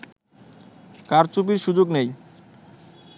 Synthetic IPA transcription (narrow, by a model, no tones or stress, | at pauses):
kaɾt͡ɕup̬iɾʃud͡ʑoɡnej